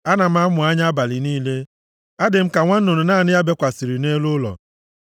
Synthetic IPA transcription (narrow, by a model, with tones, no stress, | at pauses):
a˦na˨m̩˦a˦mʊ˨a˦ɲa˦a˦ba˨lɪ˨niː˦le˦ | a˦dɪ˨m̩˦ka˨ŋʷa˦n̩˦nʊ˨ɾʊ˨naː˦˨nɪ˦ja˦be˦kʷa˨si˨ɾi˨ne˦lʊ˦lɔ̰˨